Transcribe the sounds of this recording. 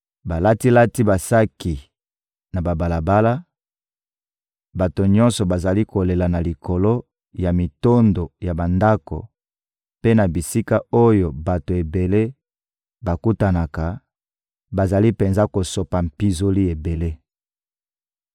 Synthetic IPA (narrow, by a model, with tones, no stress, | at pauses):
ba˨la˦ti˦la˦ti˦ba˨sa˦ki˨ | na˨ba˨ba˨la˨ba˦la˦ | ba˨to˨ɲɔ̃˦nsɔ˨ba˨za˨li˦ko˨le˨la˨na˨li˨kʰo˨lo˦ | ja˨mi˨to˦ndo˨ja˨ba˨nda˦ko̰˨ | pe˦na˨bi˨si˦ka˦o˦jo˨ba˨to˨e˨be˨le˦ | ba˨ku˦ta˨na˨ka˨ | ba˨za˨li˦pe˨nza˦ko˨so˨pa˨mpi˦zo˦li˦e˨be˨le˦